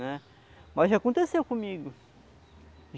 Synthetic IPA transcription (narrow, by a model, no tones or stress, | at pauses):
nɛ | mɐzʒakõnt̪esewkõmiɡʊ | ʒ